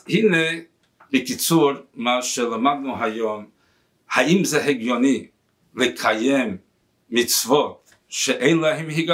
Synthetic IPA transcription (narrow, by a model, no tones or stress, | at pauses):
hinɛ | bɪkit͡suɾmaʃɛlˠamad̪̚nuɦajɔm | haimzɛɦɛɡjɔni | lekʰajɛmː | it͡svɔt | ʃɛʔẽɪnlˠaɦɛmhiɡa